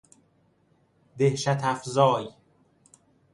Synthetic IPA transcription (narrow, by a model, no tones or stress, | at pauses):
d̪ehʃæt̪ʰæfzɒːj